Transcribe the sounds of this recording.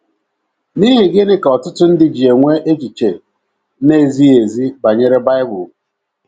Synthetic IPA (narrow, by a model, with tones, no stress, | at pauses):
ni˦ɦɪ˨ɡɪ˦nɪ˦kɔ˨tʊ˦tʊ˦n̩˦dɪ˦d͡ʒi˨e˨ŋʷe˦ʔe˦t͡ʃi˨t͡ʃe˨ | ne˦˨zi˦e˨zi˦ba˨ɲe˦ɾe˦ba˦ɪ˦bʊ˨